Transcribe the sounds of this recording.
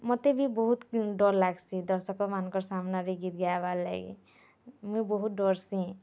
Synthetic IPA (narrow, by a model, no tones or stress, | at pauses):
mɔt̪ebʱibɔɦut̪ɖɔɾlaɡsĩd̪ɔɾsɔkːɔmankɔɾsamnaɾiɡit̪ɡɛaballa̰ɡḭ | muibɔɦut̪̚ɖɔɾsĩ